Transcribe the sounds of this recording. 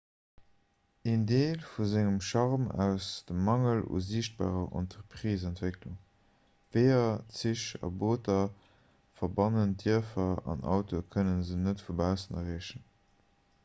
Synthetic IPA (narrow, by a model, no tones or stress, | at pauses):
endeːlfuzæŋəmʃɑʁmæ̰ʊsd̥əmːɑŋəlṵziːʃt̚b̥a̰ːʁɐʔɔ̰ntəʁpʁiːzæntv̥ekluŋ | veɪɐt͡siʃɑ̰boːtɐ | fɐbɑnəndiɐfɐɑ̰nɑ̰ʊtʰokʰənənzənətfubæʊsənɐ̰ʁiəʃən